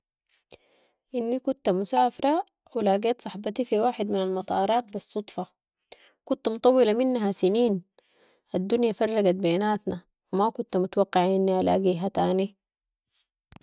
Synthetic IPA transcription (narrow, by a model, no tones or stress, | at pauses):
ʔinːikunt̪musaːfɑɾˤɑ | wilaːɡeːt̪sˤɑħbɑt̪ifiwaːħɪd̪minalmɑt̪ˤɑːɾˤɑːt̪̚bisˤːut̪ˤfɑ | kunt̪mt̪ˤɑwːɪlaminːɦasiniːn | ʔad̪ːunjafɑrˤːɑɡat̪̚beːnaːt̪na | wimakunt̪mut̪awɑqːɪʕʔinːiʔala̰ːɡiːɦat̪aːni